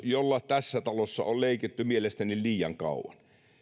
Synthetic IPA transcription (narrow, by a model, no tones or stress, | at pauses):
jolːɑt̪æsːæt̪ɑlosːɑ̰olleˑiket̪ːymielest̪ænilliːjɑŋkɑ̰ˑṵwˑɑ̰n